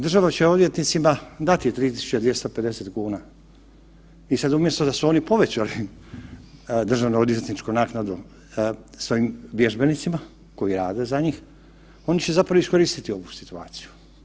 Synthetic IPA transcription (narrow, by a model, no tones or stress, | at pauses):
d̪r̩ʒaʋat͡ɕeo̞d̪ʋje̞t̪nit̪simad̪at̪it̪ɾiːt̪i̥su̥t͡ɕad̪ʋje̞st̪ope̞d̪e̞set̪kuːna | isad̪umje̞st̪o̞d̪asuo̞nipo̞ʋe̞t͡ɕali | d̪rʒaʋnuod̪je̞t̪nit͡ʃkunaːknad̪u | sʋo̞imʋje̞ʒbe̞nit̪sima | ko̞iɾaːd̪e̞zaɲiːx | o̞nit͡ɕe̞zapɾaʋoisko̞ɾiːst̪it̪io̞ʋusi̥t̪ua̰ːt̪si̥ju̥